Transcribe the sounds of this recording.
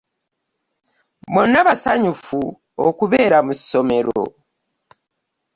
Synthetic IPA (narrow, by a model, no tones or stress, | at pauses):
monːaβasaɲufu | okuβe̞ːɾamusso̞me̞ɾo̞̰